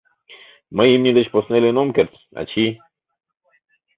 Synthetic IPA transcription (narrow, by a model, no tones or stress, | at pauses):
məjimɲʲid̪et͡ʃposnelenomkʲeɾt͡s̪ | a̰t͡ʃʰi